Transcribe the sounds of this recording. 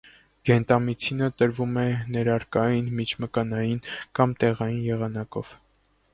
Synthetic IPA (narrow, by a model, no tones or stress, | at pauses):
ɡ̥ɛnt̪ɑmit͡sʰinət̪əɾvumɛnɛɾɑɾkɑjinmit͡ʃʰməkɑnɑjinkɑmt̪ɛʁɑjinjɛʁɑnɑkɔ̰v̥